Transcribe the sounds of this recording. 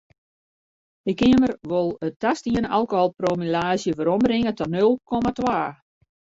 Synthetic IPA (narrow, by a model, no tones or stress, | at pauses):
ɪkɪəmərʋolˠətːastiənalˠkoholˠpromilaːzjəfoɾɔmbɾɪŋətɔnølˠkʰɔmatʋaː